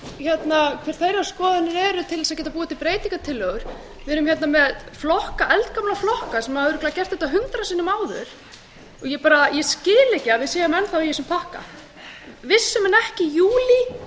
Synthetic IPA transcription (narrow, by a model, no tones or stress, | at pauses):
çɛt̪nakʰɪɾ̥θejɾaɾskɔːðɪnɪɾɛɾʏt̪ʰɪlɛs̬aðcɛːt̪apuːat̪ʰɪpɾeːjt̪iŋkat̪ʰɪlːœɣʏɾ̥ | vɪðɾmçjɛt̪namɛðflɔhkaʔɛlt̪kamlaflɔhkasɛmaʏɾʏkʰlɛaðacɛr̥t̪hɪht̪aɦʏnt̪ɾasiːnʏmaːwðʏ̰ɾ̥ | ɔɣjɛpaːɾajɛscɪːlɛcɪavɪðsjeːjamɛnθawjɛsɛmpʰahka̰ | vɪsːʏmɛnɛhcɪjuːli